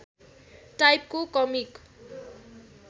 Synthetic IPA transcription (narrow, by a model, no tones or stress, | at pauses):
ʈajp̚kokʌmik